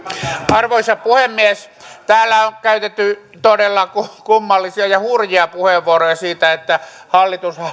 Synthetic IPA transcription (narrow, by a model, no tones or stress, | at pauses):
ɑrʋoisɑpuhemːies | t̪æːlːæoŋkæyt̪et̪ːy | t̪odelːɑkukumːɑlːisiɑjɑhurjiɑpuheʋːuorojɑsiːt̪æet̪ːæhɑlːit̪us